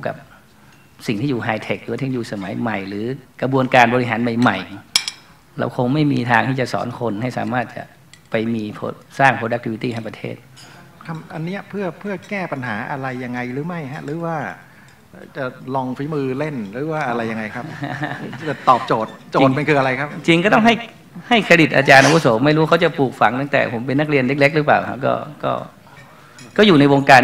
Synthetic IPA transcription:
u˥˩ka̰˨˩p̚ | si˨˩ŋt̪ʰiː˥˩juː˨˩ɦaː˧jt̪ʰe˨˩k̚ɾɯ˨˦a˥˩t̪ʰe˥˩juː˨˩sa˧ma˩˦jma˨˩jɾɯː˩˦kɾa˧bu˧ənkaː˧nbɔ˧li˦˥ɦaː˩˦nma˨˩jma˨˩j | ɾa̰˧wkʰo˧ŋma˥˩jmiː˧t̪ʰaː˧ŋt̪ʰiː˥˩t͡ɕa˨˩sɔ̰ː˩˦nkʰo˧nha˥˩jsa̰ː˩˦maː˥˩t̪̚t͡ɕa̰˨˩ʔ | pa˧jmiː˧pʰo̰˧saː˥˩ŋpʰɾoː˧da˦˥kt̪ʰi˧wi˧t̪iː˥˩a˥˩p̚a˧t̪ʰḛː˥˩t̪̚kʰa˧˩ʔa˧nːiː˦˥ɐpʰɯ˥˩ɐpʰɯ˥˩ɐkɛː˥˩pa˧nɦaː˩˦ʔa˧ɾa˧jːa˧ŋːa˧jɾɯː˩˦ma˥˩jɦa˦˥ʔɾɯː˨˩˦waː˥˩˧ | t͡ɕa˨˩lɔ˧ŋfi˦˥mɯː˧le˥˩nɾɯː˨˩˦waː˥˩ʔa˧ɾa˧jːa˧ŋːa˧jkʰa˦˥p̚ | t̪ɔː˨˩p̚t͡ɕoː˨˩t̪̚t͡ɕoː˨˩ŋ̚me˧nkʰɯː˧ʔa˧ɾa˧jkʰa˦˥p̚t͡ɕi˧ŋkɔː˥˩t̪ɔ˥˩ŋɦa˥˩j | ha˥˩jkʰa˧ɾi˨˩t̪̚ʔa̰ː˧t͡ɕaː˧nʔa˧wʰu˦˥soː˩˦ma˥˩jɾuː˦˥kʰa˦˥wt͡ɕa˨˩puː˨˩k̚fa˧˦ŋt̪a˥˩ŋt̪ɛ̰ː˨˩pʰo˩˦mp̬e˧nːa˥k̚ɾi˧ənle˦˥k̚le˦˥k̚ɾɯ˦˥paː˨˩wkʰa̰˦˥kɔ̰ː˥˩kɔ̰ː˥˩ | kɔː˥˩juː˨˩na˧jwoː˧ŋkaː˧

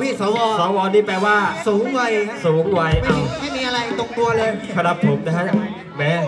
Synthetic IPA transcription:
pʰiː˥˩sɔː˨˦wɔː˧sɔː˨˩˦wɔː˧niː˥˩pɛː˧waː˥˩suː˨˩˦ŋwa˧jsuː˩˦ŋwa˧jma˥˩a˧ma˥˩jmiː˧˥ʔa˧ɾa˧jt̪o˧ŋt̪u˧ɐlɤː˧jkʰa˧na˨˩pʰːo˩˦mna˦˥ka˦˥˩j | mɛː˦˥˩

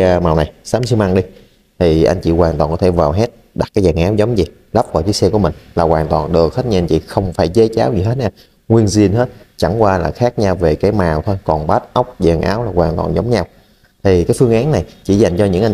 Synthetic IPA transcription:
maː˨˩wna˨˩jsaː˨˦msɨ˧wma˧ŋɗi˧ | t̪ʰi˨˩ʔa̰˧jŋ̟t͡ɕḭ˧˩ɣwaː˨˩nt̪waː˨˩nkɔ˨˦t̪ʰe˧˩vaː˨˩wɦe˦˥t̚ | ɗa˨˦˩t̚kaː˨˦jzaː˨˩ŋʔaː˨˦wzə˨˦wŋ͡mzi˨˩ | la˦˥p̚kɔː˧˩jt͡ɕɨ˦˥ksɛ˧ku˧˩mï˨˩ŋ̟laː˨˩kwaː˨˩nt̪waː˨˩nɗɨ˨˩ək̚he˦˥t̚ɲi˧a˧jɲ̟t͡ɕḭ˧˩xə˧wŋ͡mfaː˧˩jt͡ɕe˨˦t͡ɕaː˨˦wzi˨˩ɦe˦˥t̚naː˧˩ | ŋwi˧ənzi˧ənɦe˦˥t̚t͡ɕa˧˩ŋkwaː˧laː˨˩xaː˦˥k̚ɲa˧wve˨˩kaː˨˦jmaː˨˩wt̪ʰo˧jkɔ˨˩nɓaː˦˥t̚ʔa˦˥wk͡p̚zɛ̰ː˨˩ŋʔa̰ː˨˦wlaː˨˩kwaː˨˩ŋt̪wa̰ː˨˩nzə˨˦wŋ͡mɲa˧w | t̪ʰi˨˩kaː˨˦jfɨ˧əŋʔaː˨˦nːa˨˩jt͡ɕḭ˧˩za˨˩jŋ̟t͡ɕɔ˧ɲɨ̰˧˥ŋʔa˧ŋ

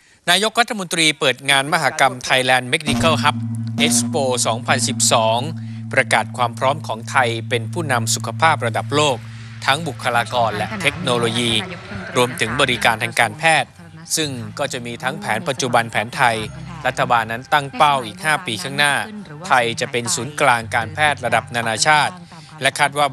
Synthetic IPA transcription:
naː˧jo˦˥k̚ɾa˥t̪ʰːa˧mo˧nt̪ɾiː˧pɤː˨˩t̪̚ŋaː˧nma˦˥ɦaː˩˦ka˧mt̪ʰa˧jlɛː˧nme˦˥k̚ni˦˥kʰa˥˩wɦa˦˥p̚ʔe˦˥k̚spoː˧sɔː˩˦ŋpʰa˧nsi˨˩p̚sɔː˩˦ŋ | pɾa˧kaː˨˩t̪̚kʰwaː˧mpʰɾɔː˦˥mkʰɔː˩˦ŋt̪ʰa˧jpe˧npʰuː˥˩na˧msu˨˩kʰa˧pʰaː˥˩p̚ɾa˧da˨˩p̚loː˥˩k̚ | t̪ʰa˦˥ŋbu˨˩kʰːa˧laː˧kɔː˧nlɛ˦˥ʔt̪ʰe˦˥k̚noː˧loː˧jiː˧ɾu˧əmt̪ʰɯ˩˦ŋbɔː˧ɾi˦kaː˧nt̪ʰa˧ŋkaː˧npʰɛː˥˩t̪̚ | sɯ˥˩ŋkɔː˥˩t͡ɕa˨˩miː˧t̪ʰa˦˥ŋpʰɛː˩˦npa˨˩t̪̚t͡ɕu˨˩ba˧npʰɛː˩˦nt̪ʰa˧jɾa˦˥t̪ʰːa˧baː˧nːa˦˥nt̪a˥˩ŋpa˥˩wʔiː˨˩k̚haː˥˩piː˧kʰaː˥˩ŋnaː˥˩ | t̪ʰa˧jt͡ɕa˨˩ʔpe˧nsuː˩˦nklaː˧ŋkaː˧npʰɛː˥˩t̪̚ɾa˧da˨˩p̚naː˧naː˧t͡ɕʰaː˥˩t̪̚ | lɛ˦˥kʰaː˥˩t̪̚waː˥˩

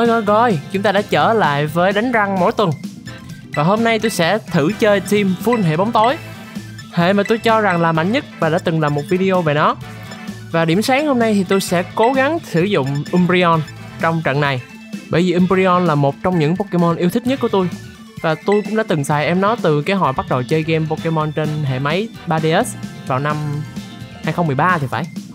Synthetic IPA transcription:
ə˨˦jɣɔ˧˩ɣɔ˧˩jt͡ɕʊ˨˦ŋ͡mt̪aː˧ɗa̰ː˧˥t͡ɕəː˧˩la̰ː˧˨jvəː˨˦jɗa˨˦ŋ̟za˧ŋmo̰˧˥jt̪wə˨˩n | vaː˨˩ɦo˧mna˧jt̪u˧jsɛ̰˧˥t̪ʰɨ˧˩t͡ɕəː˧jt̪ʰi˧mfu˧nɦḛ˧˨ɓa˨˦wŋ͡mt̪o˨˦j | hḛ˧˨maː˨˩t̪u˧jt͡ɕɔ˧za˨˩ŋlaː˨˩ma̰˧˨ŋɲə˦˥t̚vaː˨˩ɗa̰ː˧˥t̪ɨ˨˩ŋlaː˨˩mo˨˩t̚vi˧ɗi˧ʔo˧ve˨˩nɔ˨˦ | vaː˨˩ɗi˧˩əmsaː˨˦ŋho˧mna˧jt̪ʰi˨˩t̪u˧jsɛ̰˧˥ko˨˦ɣa˨˦ŋsɨ˧˩zʊ̰˧˨ŋ͡mʔi˧mpi˧ɔ˧n | t͡ɕɔ˧wŋ͡mt͡ɕə̰˧˨nːa˨˩j | ɓəː˧˩jvi˨˩ʔi˧mpɾi˧ɔ˧nlaː˨˩mo˨˩t̚t͡ɕɔ˧wŋ͡mɲɨ̰˧˥ŋpo˧ke˧mɔ˧nʔi˧ət̪ʰï˦˥k̚ɲə˦˥kət̪u˧j | vaː˨˩t̪u˧jkʊ̰˧˥ŋ͡mɗa̰ː˧˦t̪ɨ˨˩ŋsaː˨˩jʔɛ˧mnɔ˨˦t̪ɨ˨˩kaː˨˦ɦɔ̰˧˨jɓa˦˥t̚ɗə˨˩wt͡ɕəː˧jɣɛ˧mpo˧ke˧mɔ˧nt͡ɕe˧nɦḛ˧˨ma˨˦j | ɓaː˧ɗe˧ʔɛ˦˥svaː˨˩wna˧m | haː˧jxə˧ŋ͡mmɨ˨˩əjɓaː˧t̪ʰi˨˩fa̰ː˧˩j

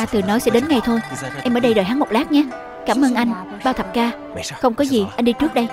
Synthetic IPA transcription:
aː˧t̪ɨ˨˩nɔ˨˦jsɛ̰˧˥ɗe˨˦nŋa˨˩jt̪ʰo˧jʔɛ˧mʔəː˧˩ɗə˧jɗəː˨˩jɦaː˨˦mo˨˩t̚laː˦˥k̚ɲaː˨˦˥ | kaː˧˩mʔəː˧nʔa˧jŋ̟ | ɓaː˧wt̪ʰə˨˩p̚kaː˧ | xə˧wŋ͡mkɔ˨˦zi˨˩ʔa˧ŋ̟ɗi˧t͡ɕɨ˦˥ək̚ɗə˧j

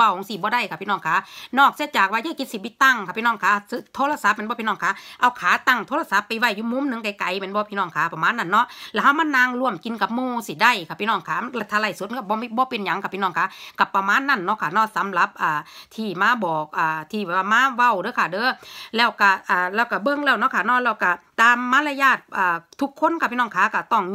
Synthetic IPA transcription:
a˧˩˨ŋsi˧˩bɔː˧˦da˧˩˨jkʰa˧˩pʰiː˧nɔː˧˩ŋkʰaː˨˦nɔː˧˩k̚si˧˦˨t͡ɕaː˨˩k̚waː˧jaː˧˥˨ki˧˦t̪̚si˧˩ʋi˧˦t̪ːa˧˨ŋkʰa˧˩pʰiː˧nɔː˧˩˨ŋkʰaː˧sɯ˧t̪ʰoː˧˥˨la˧sa˨˧˦p̚mɛ˧˥˨bɔː˧piː˧nɔː˧˨ŋkʰaː˨˧˦ʔa˧wkʰaː˨˦t̪a˧˩ŋt̪ʰoː˧˥˨la˧sa˧˦pːa˨jwa˧˩jːuː˧˨mu˧˥˨mnɯ˧˦ŋka˧˦jka˨˦jmɛ˧˦˨nbɔː˧˦pʰiː˧nɔː˧˩˨ŋkʰaː˨˦pa˧maː˧˥˨nːa˧˨nːɔ˧˥ʔlɛ˧˩ɦa˧˩wma˧˥˨nːaː˧ŋlu˧əmki˨˦nka˧˦p̚moː˧˨siː˧˩da˧˩˨jkʰa˧˩pʰiː˧nɔː˧˩˨ŋkʰaː˧la˧t̪ʰːa˧la˧˩jsu˧˦t̪̚ːʰa˧˩bɔː˧mi˧bɔː˧˦pe˧˨nɲa˨˦ŋka˧˩pʰiː˧nɔː˧˩ŋkʰaː˧˥ka˧˩pːa˧maː˧˥˨nːa˧˥˨nːɔ˧˨kʰa˧˩nɔː˧˥˨sa˨˦mla˧˦p̚ʔaː˨˩t̪ʰiː˧˩maː˧˥˨bɔː˨˩k̚ʔaː˨˩t̪ʰiː˧˩bɛː˧˨˩wa˧maː˧˥˨ʋa˧˩˨wdɤː˧˦˨kʰa˧˩dɤː˧˦lɛː˧˩wka˧˩ʔaː˨˩lɛː˧˩wka˧˩bɤ˧˨ŋlɛː˧˩wnɔ˧˥˨kʰaː˧˩nɔː˧˨lɛː˧˩wka˧˩t̪aː˨˧mːaː˧˥˨la˧jaː˧˩t̪̚ʔaː˨˩t̪ʰːu˧kʰːo˧˥˨nkʰa˧pʰiː˧˨nɔː˧˨ŋkʰaː˨˧˦ka˧˩t̪ɔ˧˩ŋ

